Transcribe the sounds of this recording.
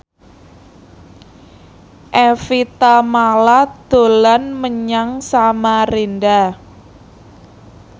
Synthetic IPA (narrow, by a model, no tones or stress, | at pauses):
ʔefit̪amalad̪̥o̤lanməɲaŋsamarenda